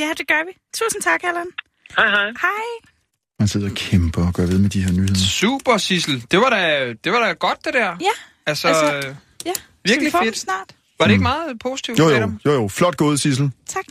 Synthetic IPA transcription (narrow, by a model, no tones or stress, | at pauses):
jæd̥eɡ̥ɶɐʋi | t͡sʰṵːsn̩t͡sʰɑ̈ɡ̥hælæn | hɑɪhɑɪhɑɪ | mænse̝ð̞̰ˠɐɒkʰemb̥ɐɒɡ̥ɶɐʋe̝ð̞ˠmed̥iheɐnyːhe̝ɐsuːb̥ɐsisl̩d̥e̝ʋɑ̈ɾæd̥e̝ʋɑ̈ɾ̥æɡ̥ɒ̽d̥̚ːe̝d̥æɐ̰jæ | ælsɒ | jæ | ʋiɐɡ̥lied̥snɑ̰̈ːd̥ | ʋɑ̈ɾee̝ɡ̥əmɑ̈ːð̩ˠpʰo̝si̥t͡sʰiʊ̥odjojoflɒ̽d̥̚ɡ̥o̝ːð̞ˠsis̬l̩t͡sʰɑɡ̥